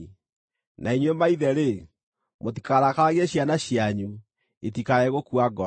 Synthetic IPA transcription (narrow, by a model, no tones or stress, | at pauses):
nʔaiɲwemaiðɛɾe | motikaɾakaɣɛɕjanaɕiaɲu | etikaɛɣokuaɡɔ